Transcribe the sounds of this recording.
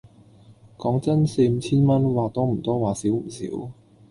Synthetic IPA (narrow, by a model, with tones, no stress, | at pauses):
kɔː˨˥ŋt͡sɐ˥nse˧jm̩˨˥t͡sʰiː˥nmɐ˥nwaː˨t̪ɔː˥m̩˨˩t̪ɔː˥waː˨˩si˨˥wm̩˨˩sḭː˨˥w